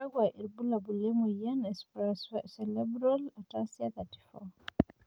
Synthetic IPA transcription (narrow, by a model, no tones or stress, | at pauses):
aɡwaʔiɾbulabulemujanɛspɾɛssɛlɛbɾɔlatasiakati̥fɔ̰